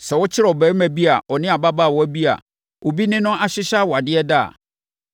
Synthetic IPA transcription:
sɛ˨wʊ˦t͡ɕʰɪ˦ɾɛ˨ɔ˨bɛ˨˦mæ˨bi˦a˨ɔ˨nɪ̃˦a˨ba˦ba˦˨wɔ˨˦æ˦bi˦a̰˨ | wʔo˨bi˦nɪ̃˦nʊ̃˦ʔa˨ɕɪ˦ɕa˦wɔ˨a˨dɪ˦ɛ˦da̰˦˨

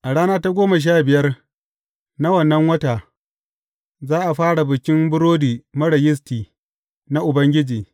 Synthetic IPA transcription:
ʔa˨ɽaː˦naː˦ta˦ɡʷoː˦ma˨ʃ̬aː˦bɪ˨jɐ˦r | na˦wɐ˨nːɐ˦ŋwɐ˦ta˨ | zaː˦ʔa˨ɸaː˦ɽa˨bɪ˨kʲɪ˦mbʊ˦ɾoː˦diː˨mɐ˦ɽɐ˨jɪ˦s̬tiː˨ | na˦ʔʊ˨bɐ˦ŋɡʲɪ˦d͡ʒiː˨

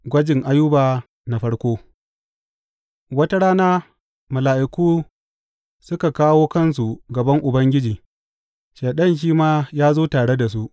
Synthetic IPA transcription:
ɡʷɐ˦d͡ʒɪ˨ŋʔa˦jːʊ˦baː˨ | na˨ɸɐ˦ɽkʷoː˦ | wɐ˦ta˦ɽaː˦naː˦ | mʊ˨laː˨ʔɪ˨kuː˦ | sʊ˦ka˨kaː˦woː˦kɐ˦ns̬u˨ɡɐ˨bɐ˦ŋʔʊ˨bɐ˦ŋɡʲɪ˦d͡ʒiː˨ | ʃeː˨ɗɐ˦˨nʃ̬iː˦maː˦jaː˦zoː˦taː˨ɽe˦da˨s̬u˦ʔ

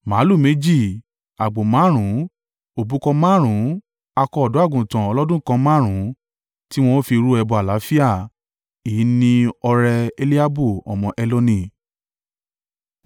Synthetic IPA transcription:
mã˨˦lu˦˨me˨˦d͡ʒi˦˨ | a˨ɡ͡bo˨mã˨˦ɾ̃ũ˨˦ | o˨bu˨˦kɔ̃˧mãː˦˨ɾ̃ũ˨˦ | a˧kɔ˧ɔ˨dɔ̃˨˦a˦˨ɡũ˨tã˨ɔ˧lɔ˦dũ˦kã˧mãː˦˨ɾ̃ũ˨˦ | ti˦w̃ɔ̃˧˦fi˧ɾu˦ɛ˧bɔ˧a˨la˨˦fi˦a˦˨ | i˨˦nĩ˧ɔ˧ɾɛ˧e˧li˦a˦bu˦˨ɔ̰˨mɔ̃˧ʔɛ˧lo˧nĩ˧˨

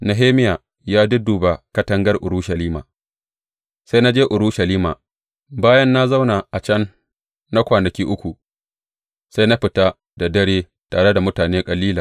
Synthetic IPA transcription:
na˨ɦeː˦mɪ˦jaː˨ | jaː˦dʊ˦duː˨ba˨kɐ˦tɐ˦ŋɡɐ˦rʔʊ˨ɾuː˦ʃɐ˨liː˦ma̰ː˨ | sa˦jna˦d͡ʒeː˦ʔʊ˨ɾu˦ʃɐ˨liː˦maː˨ | baː˦jɐ˦nːa˦za˦wna˨ʔa˨t͡ʃɐ˦nː | a˦kʷaː˨nɐ˨kʲiː˦ʔʊ˦kʷu˨ | sa˦jna˦ɸɪ˨ta˦ | da˨dɐ˦ɽeː˦ | taː˨ɽe˦da˨mʊ˦taː˨neː˦kʼɐ˨liː˦laː˨

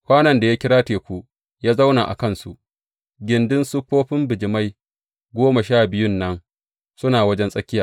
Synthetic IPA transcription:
kʷaː˦nɐ˨nda˨ja˦kʲɪ˦ɽaː˦teː˨kʷu˦ | jaː˦za˦wna̰˨ʔa̰˨kɐ˦nsṵ˨ʔ | ɡʲɪ˨˦ndɪ˦nsʊ˦ɸoː˦ɸɪ˦mbɪ˨d͡ʒɪ˨ma˦j | ɡʷoː˦ma˨ʃaː˦˨bɪ˦jʊ˦nːɐ˦ŋ | sʊ˦naː˨wɐ˦d͡ʒɛ˦nsʼɐ˦kʲɪ˦jaː˨

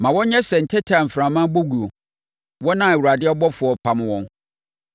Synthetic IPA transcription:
mã˨wɔ̃˦ɲ˦ɲɛ˦sɛ˨n̩˨tʰɛ˦tʰa˨m̩˨fɾã˨mã˦bo˦ɡu˨o˨ | wɔ̃˦nã˦˨e˨wu˨a˨dɪ˦ɔ˦bɔ˦fʊ˨ɔ˨pʰa˨m˦wɔ̃˦n

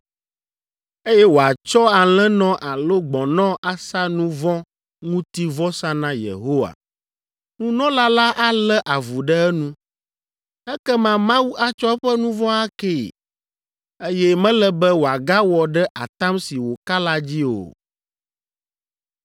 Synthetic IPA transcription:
e˦jɛ˦wo˨a˨t͡ʃɔ˦a˨l̃ɛ̃˦nɔ̃˦ʔa˨lo˦ɡ͡bɔ̃˨nɔ̃˦ʔa˦sa˦nũ˦vɔ̃˦ | ŋũ˦t̪i˦vɔ˦sã˦nã˦jḛ˨ɦo˦wa̰˨ | nũ˦nɔ̃˦la˦la˦ʔa˦lɛ˦ʔa˨vu˨ɖɛ˦ɛ˦nũ˦ | ɛ˦kɛ˦mã˦mã˦wu˦ʔa˦t͡ʃɔ˦ɛ˦ɸɛ˦nũ˦vɔ̃˦a˦ke˦˨ | e˦jɛ˦mɛ̃˦lɛ˦bɛ˦wo˨a˨ɡa˦wɔ˨ɖɛ˦ʔa̰˨t̪a˦msi˨wo˨ka˦la˦d͡ʑi˦o̰˨

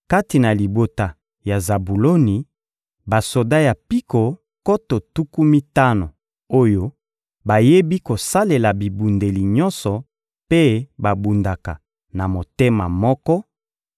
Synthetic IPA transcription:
ka˦ti˨na˨li˨bo˨ta˨ | ja˨za˨bu˨lo˦ni˨ | ba˨so˨da˦ja˨pi˦ko˨ | ko˦to˨tu˦ku˦mi˦ta˦no˨ | o˦jo˦ | ba˨je˦bi˦ko˨sa˦le˨la˨bi˨bu˨nde˨li˨ɲɔ˦nsɔ˨ | pe˦ba˨bu˨nda˨ka˨ | na˨mo˨te˦ma̰˨mɔ˦kɔ˦

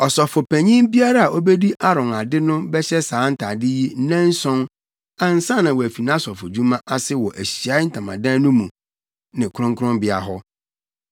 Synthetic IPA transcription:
ɔ˨sɔ˨fʊ˨pʰæ̃˨ɲĩ˦mbi˦a˦ɾa˦a˨ʔo˦be˦di˦ʔa˦ɾɔ̃˨na˨dɪ˦nʊ̃˦bɛ˦ɕɛ˦sãː˨˦n̩˦tʰa˨dɪ˦ji˦n˦nɛ̃˦n̩˦sɔ̃˦n | ã˨n̩˨sã˦˨nã˨wɔ˨æ˨fi˨nã˦sɔ˨fʊ˨d͡ʑu˦mã˦ʔa˦sɪ˦wɔ˨ʔæ˨ɕi˨a˨˦n̩˦tʰã˨mã̰˨dã˦nʊ̃˦mũ˨ | nɪ̃˨kʰʊ˦ɾʊ̃˦ŋkʰʊ˦ɾʊ̃˦mbɪ˦a̰˨ɦɔ˦

